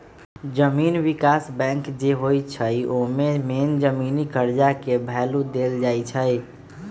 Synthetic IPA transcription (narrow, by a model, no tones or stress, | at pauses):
d͡ʒəminʋikasbɛ̃ŋkd͡ʒeɦojt͡ʃʰəomemend͡ʒəminikəɾd͡ʒakebʱɛlud̪eld͡ʒajt͡ʃʰəj